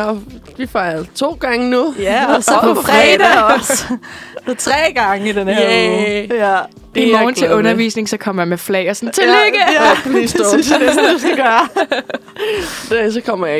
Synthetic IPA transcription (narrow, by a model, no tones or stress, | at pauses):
ɒ | ʋifɑ̈ɪt͡sʰo̝̰ːɡ̥ɑ̈ŋənujsɒpʰɒfʁɛd̥æs | et͡sʰʁɛ̰ːɡ̥ɑ̈ŋəid̥ene | d̥emɒːn̩t͡sʰe̝ɔ̽nɐʋḭːsne̝ŋsɒ̽kʰɒ̽m̰ɐjɑ̈meflɛ̰ɪ̰ɒsɔnt͡sʰeleɡ̥əjʰmisd̥d̥esmd̥usɡ̥æɡ̥ɶːɐ | d̥es̬ɒkʰɒ̽m̰ɐjɑ